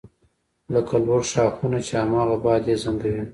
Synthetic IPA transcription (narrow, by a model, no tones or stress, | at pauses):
lakalwoɾʃɑxunat͡ʃeamɑɣabɑd̪ezand̪awi